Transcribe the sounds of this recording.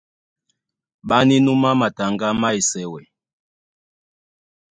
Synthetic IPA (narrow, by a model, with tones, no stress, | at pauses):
ɓa˦ni˦nu˦ma˦ma˨ta˨ŋɡa˦ma˦i˨sɛ˨wɛ˨